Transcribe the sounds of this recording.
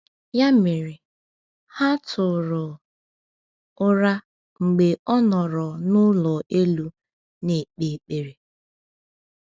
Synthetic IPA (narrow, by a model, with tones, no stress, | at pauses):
ja˦me˨ɾɪ˨ | ha˦tʰʊ˨ɾʊ˨ | ʊ˦ɾa˦ | ŋ͡m̩˨ɡ͡be˨ɔ˦nɔ˨ɾɔ˨nʊ˦lɔ˨ʔe˦lu˦ | ne˨k͡pe˨k͡pe˨ɾe˨